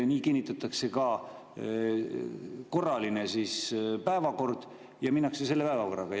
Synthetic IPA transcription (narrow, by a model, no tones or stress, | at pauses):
niːkinːit̪ːˑɑt̪ːˑɑkse̞kɑ | ko̞rːɑline̞sispæevɑko̞rd̪̥ | jɑminːɑksese̞lːe̞pæevɑko̞rɑɡ̥ɑ